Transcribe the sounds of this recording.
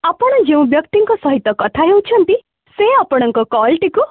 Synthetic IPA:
apɔɽ̃ɔd͡ʒeũbjɔkt̪iŋkɔsɔɦit̪ːɔkɔt̪ʰaɦewt͡ʃʰɔnt̪i | seapɔɽ̃ɔŋkɔkɔlʈiku

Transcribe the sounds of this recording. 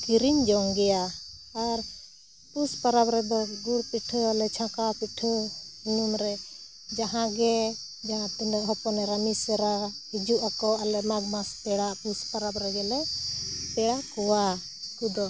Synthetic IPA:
kiɾiɲd͡ʒɔŋɡɛjaː | ɾ | puspaɾabɾɛd̪ɔɡuɾpiʈʰəalɛt͡ʃʰãkapiʈʰəinumɾɛ | d͡ʒaɦãɡɛ | d͡ʒaɦãt̪unɛkɦɔpɔnɛɾamisɛɾahid͡ʒuʔakɔʔalɛʔmaɡmasp̪ɛɽaʔpuspaɾabɾɛɡɛlɛp̪ɛɽakɔwa | kud̪ɔ

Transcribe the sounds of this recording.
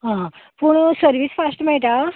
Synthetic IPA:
ɦãpuɳsəɾʋisfasʈmɛɭʈ̪a

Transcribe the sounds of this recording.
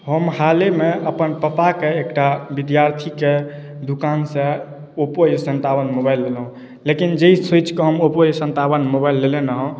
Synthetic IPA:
ɦəmhalemeəpənpəpakeekʈabid̪jaɾt̪ʰike | d̪ukansẽ | opojsənt̪abənmobajlːelɦũ | lekind͡ʒeisojt͡ʃkeɦəmopojsə̃nt̪abənmobaɪlːelenəɦɔ̃

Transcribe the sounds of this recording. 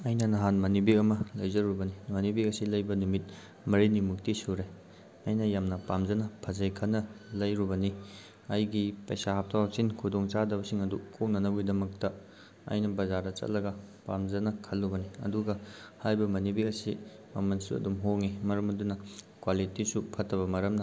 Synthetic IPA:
ɐjnɐnɐɦanmɐnibiɐmɐlɐjzɐɾubɐnimɐnibikɐsilɐjbɐnumit̚ | mɐɾinimuk̚tisuɾej | ɐjnɐjamnɐpamzɐnɐpʰɐzɐjkʰɐnːɐlɐjɾubɐni | ɐjɡipɐjsahap̚tʰawsinkʰudoŋt͡ʃadɐbɐsiŋɐdukʰownɐnɐbidɐmɐk̚tɐ | ɐ̰jnɐbɐzaɾdɐt͡ʃɐ̰t̚lɐɡɐ | pamzɐnɐkʰɐlːubɐniɐ̰duɡɐhajbɐmɐnibiɐsi | mɐmɐnsuɐ̰dumɦoŋimɐɾɐmɐdunɐ | kwalitisupʰɐtːɐβɐmɐɾɐmnɐ

